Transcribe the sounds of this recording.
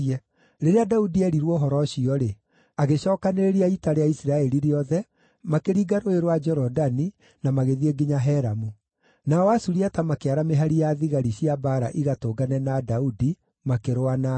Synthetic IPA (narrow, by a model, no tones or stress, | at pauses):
ɛ | ɾeɾeadaudiɛɾiɾwɔɦɔɾɔɕiɔɾe | aɣeɕɔːkaneɾeɾiaitaɾeaisiɾaɛɾiɾeɔðɛ | makeɾiːɡaɾoeɾowad͡ʒɔɾɔdani | namaɣeðieɡiɲaɦɛɾamu | naɔwasuɾiatamakeaɾameɦaɾijaðiɣaɾiɕiabaɾa̰ʔiɣatoɡanɛnadaudi | makeɾoana